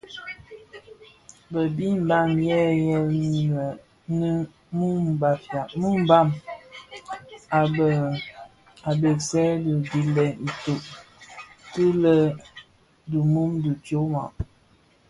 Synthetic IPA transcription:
bə˨bi˦m̩˨ba˦˨mjɛ˦jɛ˦n˦jɛ˨ | nə˦ | mu˦m˨ba˨fja˨mu˦m˦ba˦˨m | a˨ə˨ | a˨be˨sɛ˦də˨di˨lɛ˨n̩˨tu˨ʔ | tɨ˦lə˦ | du˨mu˦mdu˨to˦ma̰˨ʔ

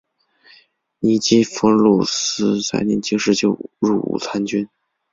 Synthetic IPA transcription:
ni˧˥t͡ɕi˥fɤ˧˥lɔ˥˩s̩˥t͡sa̰˥˩ɪnɛ˧˥˩nt͡ɕi˥ŋʂɻ̩˥˧t͡ɕjo˥˩ʊɻu˥˩ṵ˨˩t͡sʰa˧˥nt͡ɕy˥n

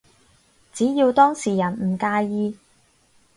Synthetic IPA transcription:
t͡siː˨˥jiː˧wt̪ɔː˥ŋsiː˨˩jɐ˨˩nm̩˨˩kaː˧jiː˧

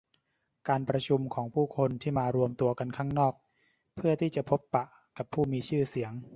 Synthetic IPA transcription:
kaː˧npɾa˧t͡ɕʰu˧mkʰɔː˩˦ŋpʰuː˥˩kʰo˧nt̪ʰiː˥˩maː˧ɾu˧əmt̪u˧ɐka˧nkʰaː˥˩ŋnɔː˥˩k̚ | pʰɯ˥˩ɐt̪ʰiː˥˩t͡ɕa˨˩pʰo˦˥pːa˨˩ʔ | ka˨˩pʰːuː˥˩miː˧t͡ɕʰɯː˥˩si˩˦əŋ

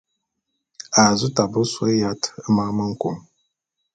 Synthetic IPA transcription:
a˨zu˦ta˨bɨ˦sɔ˦ja˦tmaː˦mɨ˦ŋ̩˦ku˨ŋ

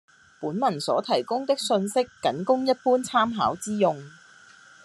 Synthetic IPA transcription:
puː˨˥nmɐ˨˩nsɔː˨˥t̪ʰɐ˨˩jkʊ˥ŋt̪ɪ˥k̚sɵ˧nsɪ˥kːɐ˨˥nkʊ˥ŋjɐ˥t̚puː˥nt͡sʰaː˥mɦa̰ː˨˥wt͡siː˥jʊ˧ŋ

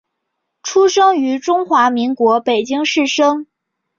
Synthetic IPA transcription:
ʈ͡ʂʰu˥ʂɤ˥ŋy˧˥ʈ͡ʂʊ˥ŋxwa˧˥mi˧˥ŋkwɔ˧˥pe˨˩ɪt͡ɕi˥ŋʂɻ̩˥˩ʂɤ˥ŋ

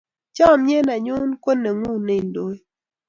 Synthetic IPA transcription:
t͡ʃɔ˦˨mje˦na˨ɲʊ˦nko˦ne˨ŋu˦˨ne˦i˨ndo˦e˦

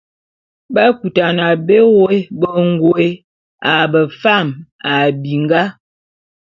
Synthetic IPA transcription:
ba˦ku˨ta˨na˨be˦wo˦e˦bə˦ŋ˦ɡo˨e˦ | a˨bə˨fa˦˨ma˨bi˨ŋ˦ɡa˦

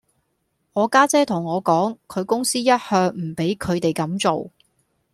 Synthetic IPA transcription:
ŋɔː˨˧kaː˥t͡sɛː˥t̪ʰʊ˨˩ŋɔː˨˧kɔː˨˥ŋkʰɵ˨˧ɥkʊ˥ŋsiː˥jɐ˥t̚hœː˧ŋm̩˨˩pe˨˥jkʰɵ˨˧ɥt̪e˨jkɐ˨˥mt͡so˨w

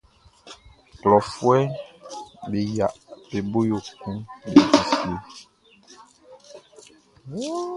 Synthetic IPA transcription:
klɔ˨fwɛ˦ | be˨ja˨pe˨bo˦jo˨kũ˦be˨d͡ʒi˨si˨˦e˦

